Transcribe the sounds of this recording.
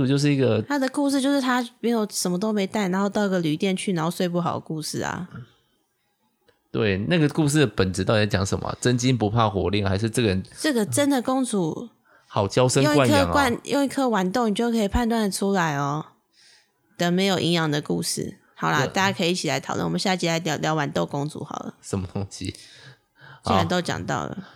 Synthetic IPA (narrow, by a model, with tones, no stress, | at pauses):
u˨˩jʂ̬ɻ̩˥˩i˥˩ɡə˨˩t̪ʰa˥d̪ə˨ku˥˧ʂ̬ɻ̩˥˧t͡ɕjʊʂɻ̩˥˩t̪ʰa˥me˧˥ɪjo˨˩ʊʂə˨˩mə˦t̪̬o˥ʊme˧˥ɪt̪a˥˩ɪna˧˦nxo˥˧ʊt̪ɑ˥˩ʊi˧˥ɡə˨ly˨˦t̪jɛ˥˧nt͡ɕʰy˥˩a˧˦nxo˥˧ʊswe˥˧ɪp̬u˥˩xɑ˨˩ʊd̪ə̰˦ku˥˧ʂɻ̩˥˩ɐ̰˩ | t̪wḛ˥˩ɪna˥˩ɡə˩ku˥˧ʂ̬ɻ̩˥˩pə˨˩nʈ͡ʂɻ̩˧˥t̪ɑ˥˩ʊi˩˥˩t͡ɕjɑ̰˨˩˦ŋʂə̰˨˦mə̰˩t͡sə˦˥nt͡ɕi˦np̬u˧˦pʰa˥˩xwɔ̰˧˥li˥˩ŋxa˧˥ɪʂ̬ɻ̩˥˧ʈ͡ʂə˥˩ɡə˩ə˧˦nʈ͡ʂə˥˩ɡə˨ʈ͡ʂə˦nd̪ə˨ko˥ŋt͡sʰṵ˨˩ | hɑ˨˩ʊt͡ɕjɑ˥˦ʊʂə˦jo˥˨wa˥nkʰŋkwa˥˧njo̰˥˧ŋi˧˥˩kʰə˦wa˨˦nt̪o˥˩ŋni˨˩t͡ɕjo˥˩kʰə˧˥i˨˩pʰa˥˧nt̪wa˥˩nd̪ə˩ʈ͡ʂʰu˦la˧˦ɪɔ˧ | d̪ə˨me˧˥ɪjo˨˩ʊʔi˧˥njɑ˨ŋd̪ə˨kṵ˥˧ʂɻ̩̰˥˩ | hɑ˨˩ʊla˦t̪a˥˧˩t͡ɕja˥˩kʰə˧˥i˨˩i˥t͡ɕʰi˨la˧˦ɪt̪ʰɑ˨˩ʊlwə̰˥˨wɔ˨mə˦ɕja˥˧˥t͡ɕʰi˧˥˩a˧˥ɪt̪jljɑ˧˥wa˧˦nt̪o˥˧ʊko˥˦ŋt͡sṵ˧˥xɑ̰˨˩lə̰˦ʂə˧˦nmə˧˩t̪o˦˥ŋɕḭ˦˥˩ | ɻə˧˦nt̪o˥ʊt͡ɕjɑ̰˨˩ŋt̪ɑ̰˥˩ʊlə̰˨˩